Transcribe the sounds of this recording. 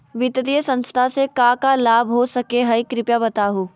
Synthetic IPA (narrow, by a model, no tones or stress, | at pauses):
ʋɪt̪ət̪ijəsɐ̃nst̪ʰasekaːkalaːbʱɦosɐkeɦɐikɾɪpjabɐt̪aːɦuː